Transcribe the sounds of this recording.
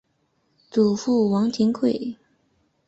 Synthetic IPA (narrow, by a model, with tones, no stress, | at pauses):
t͡su˨˩fu˥˩wɑ˧˥ŋt̪ʰi˧˥ŋkʰwe˥˩ɪ